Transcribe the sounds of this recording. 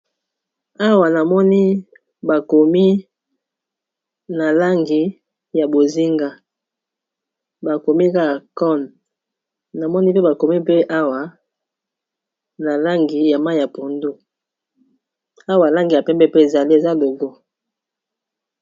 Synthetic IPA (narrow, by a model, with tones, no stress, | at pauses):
a˦wa˨na˨mɔ˦ni˦ | ba˨ko˨mi˦ | na˨la˦ŋɡi˦ | ja˨bo˨zi˦ŋɡa˦ | ba˨ko˨mi˦ka˦˨kɔ˦˨n | na˨mɔ˦ni˦pe˦ba˨ko˨mi˦pe˦ʔa˦wa˨˦ | na˨la˦ŋɡi˨ja˨ma˦˨ja˨po˨ndo˦ | a˦wa˨la˦ŋɡi˨ja˨pɛ˦mbɛ˦˨pe˦e˨za˨li˦e˨za˦lo˨ɡo˦